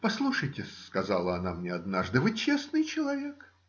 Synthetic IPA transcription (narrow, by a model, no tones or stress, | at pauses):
pɐslˠuʂəjtʲɪskɐzalˠəɐnamnʲeɐd̪naʐd̪ɨvɨt͡ɕesnɨjt͡ɕɪlˠɐvʲe̞k